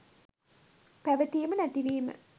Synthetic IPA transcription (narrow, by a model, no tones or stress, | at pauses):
pæʋət̪ijːmənæt̪iʋeːmə̰